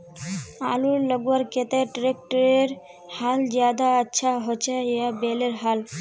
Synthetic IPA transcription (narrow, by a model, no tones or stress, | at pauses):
a̰luɾləɡuwaɾket̪eʈɾek̚ʈəɾeɾ | hald͡ʑad̪aətːʃʰaɦot͡ʃʰeeabeleɾɦal